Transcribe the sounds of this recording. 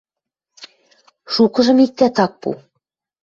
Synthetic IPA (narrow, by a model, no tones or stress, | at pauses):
ʃukɤ̆ʒɤ̆mik̚t̪æt̪ɑk̚pṵ